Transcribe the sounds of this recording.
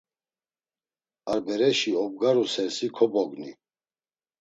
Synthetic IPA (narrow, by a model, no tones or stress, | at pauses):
aɾbɛɾɛʃiɔb̚ɡaɾusɛɾsikʰɔbɔɡni